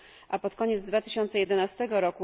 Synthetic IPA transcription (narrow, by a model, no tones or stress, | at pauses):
ʔapɔt̪kɔɲɛd̪zd̪vat̪ɘ̥ɕɔnt̪sɛjɛd̪ɛnast̪ɛɡɔɾɔku